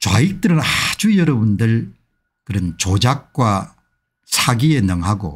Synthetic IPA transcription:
t͡ɕwa̰ik̚t͈ɯɾɯnad͡ʑujʌɾʌbundɯɭ | kɯɾʌnt͡ɕod͡ʑak̚k͈wa | sʰaɡie̞nɯŋɦaɡo̰

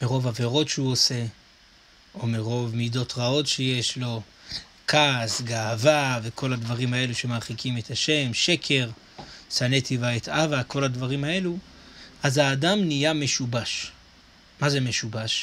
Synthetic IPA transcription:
meʁo̞vave̞ʁo̞tʃeuose̞ | ʔomeʁo̞vmido̞tʁao̞tʃejeʃlo̞ | kʰasɡaːvave̞kʰo̞lad̪vaʁimae̞luʃe̞maʁχikʰime̞t̪haʃe̞mʃe̞kʰe̞ʁ | sanetivaet̪avako̞lad̪vaʁimae̞lu | ʔazaːdamnijame̞ʃubaʃ | maze̞me̞ʃubaʃ

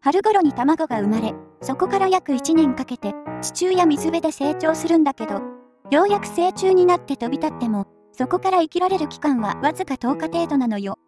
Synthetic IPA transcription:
haɾɯ̟ɡo̞ɾo̞ɲ̟it̪amaɡo̞ɡaɯ̟maɾe̞so̞ko̞kaɾajakɯ̟it͡ɕinẽ̞ŋkake̞t̪e̞t͡ɕi̥t͡ɕɨːjamʲizɨbe̞d̪e̞se̞ːt͡ɕo̞ːsɨɾɯ̟̃nd̪ake̞d̪o̞ | jo̞ːjakɯ̟̥se̞ːt͡ɕɨːɲ̟inat̪ːe̞t̪o̞bʲit̪at̪ːe̞mo̞ | so̞ko̞kaɾaikʲiɾaɾe̞ɾɯ̟kʲi̥kãɰ̃βa̰βazɨkat̪o̞ːkat̪e̞ːt̪o̞nano̞jo̞

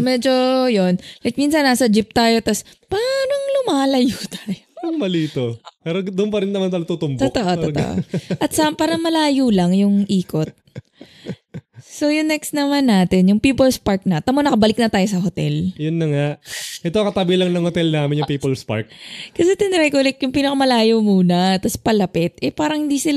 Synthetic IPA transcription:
mɛd͡ʒo̞jonlɐjk̚minsɐnːaːsɐd͡ʒɪp̚t̪aːjo̞t̪ɐspaːnoŋlʊmaːlɐjuːt̪aːjopaɾɐŋmɐliːt̪opɛɾod̪ʊʊnpɐɾɪnnːɐmant̪ajot̪ut̪ʊmbt̪ot̪oʔot̪ot̪o̰ʔo̰ʔɐt̪sɐʔampaːɾɐŋmɐlaːjulɐŋjʊŋʔiːko̞t̪̚ | so̞jʊŋnɛksnɐmanːaːt̪ɪnjʊŋpiːpolspaɹk̚nɐt̪ɐmonɐkɐbɐlɪk̚nɐt̪aːjo̞s̬ɐɦot̪ɛljʊnːɐŋaʔʔɛt̪okɐt̪abilɐŋnɐŋhot̪ɛlnaːmɪnjʊŋpiːpolspa̰ɾk̚kɐsɛt̪ɪnɾɛjkolɛk̚jʊŋpiːnɐkɐmɐlaːjomuːnɐt̪ɐspɐlɐpɪt̪̚ʔɛpaːɾɐŋhɪnd̪iːsɪl

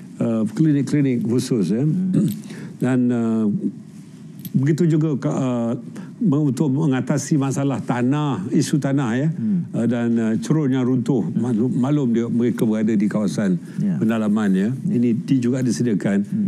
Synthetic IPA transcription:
əklinɪkːlinɪk̚husʊsjə | danə | bəɡit̪ud͡ʒuɡakə | məunt̪ʊʔəŋat̪asimasalaht̪anahisut̪anahjəədanət͡ʃəɾʊnjaŋɾunt̪ʊhmamãlʊmdiəməɾekəbəɾadadikawasan | pəndalamanɲəinĩdiəd͡ʒuɡaʔdisədiakan

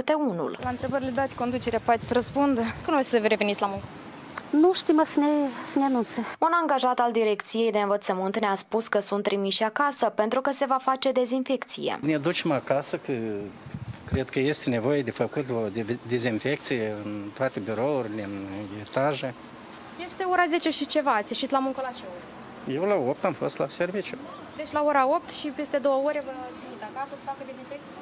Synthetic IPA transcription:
ɨt̪eunṵllaɨnt̪ɾebəɾilʲed̪at̪ʲko̞nd̪ut͡ʃeɾeapat̪ʲsəɾəspund̪əkɨnvesəvɾevenit̪sʲlamuŋkə | nuʃt̪imasənesəneanunt̪səunaŋɡaʒat̪ald̪iɾe̞kt̪sije̞jd̪eɨnvət̪səmɨnt̪neaspuskəsunt̪ːɾimiʃiakasəpe̞nt̪ɾukəse̞vafat͡ʃe̞d̪e̞zinfe̞kt̪sije̞̰ned̪ut͡ʃemakasəkə | kɾe̞d̪kəje̞st̪ene̞vo̞jed̪e̞fəkut̪od̪ed̪ezinfe̞k̚t̪sijeɨnt̪oat̪e̞biɾo̞urʲileɨnet̪aʒe | je̞st̪e̞o̞ɾaze̞t͡ʃe̞ʃit͡ʃe̞vat̪sʲiʃit̪lamuŋkəlat͡ʃeo | je̞wlao̞p̚t̪amfo̞̰st̪lase̞rvit͡ʃju | d̪et͡ʃʲlaoɾao̞p̚t̪ʃipe̞st̪e̞d̪o̞wəoɾʲevət̪ɾimit̪akasəsə̥fakəd̪ezinfek̚t̪si

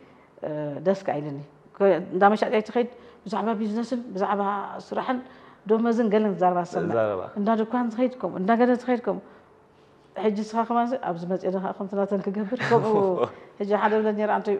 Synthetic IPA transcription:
d̪ɐskʰa̰jlɨnːi | kʰɨnd̪ʰamɐʃat̪ʼjajt̪ʰiɨxɐjid̪bɨzaʕβabiznɐsɨnbɨzaʕβasɨɾaħɨnd̪omɐzɨnɡɐlɐnt̪ɨzaɾɐβasɐnːaa̰ɨnd̪ad̪ɨkʷʰanzɨxɐjid̪kʰom̰ʔɨ̰nd̪aɡɐnɐzɨxɐjid̪̚kʰomu | ħɨd͡ʒːisɨxaxɨmans̬iʔaβzɨmɐt͡sʼjɛd̪ɐxaʔkɐmt̪ʰɨnat̪ʰɐnkʰɨɡɐbːɨɾkʰɐmuħɨd͡ʒːiħad̪ɐβnːɐt̪neɾant̪ʰɐj

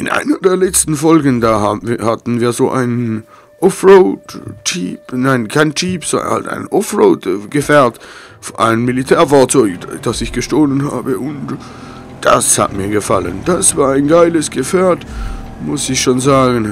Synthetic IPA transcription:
ʔɪnʔa̰ɪnɐdeːɐlɛt͡stn̩fɔlɡən̩daːhahatn̩viːɐzoːʔa̰ɪnən | ʔɔfʁoʊtt͡ʃiːpnaɪnkʰaɪnt͡ʃiːpz̥̰ha̰lta̰ɪnʔɔfʁoːtɡ̥əfɛɐt | fʔa̰ɪnəmilitʰɛːɐfaɐt͡sɔʏçd̥asɪçɡ̥əʃtoːlənha̰ːbəʔʊnt | d̥a̰sha̰tmiːɐɡəfa̰lə̰nd̥asv̥aːɐaɪnɡaɪləsɡ̥əfɛːɐt | mʊsɪçʃoːnzaːɡn̩

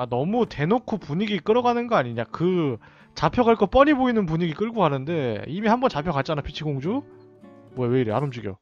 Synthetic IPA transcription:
anʌmute̞nokʰupuɲiɡik͈ɯɾʌɡanɯnɡʌaɲiɲakɯ | t͡ɕapʰjʌɣaɭk͈ʌp͈ʌɲiboinɯnp̬uɲiɡik͈ɯɭɡoɡanɯnde̞imihambʌnt͡ɕapʰjʌkat̚t͡ɕ͈anapʰit͡ɕʰiɡoŋd͡ʑo | mwʌjawe̞iɾea̰ɾɯmd͡ʑiɡijo̰

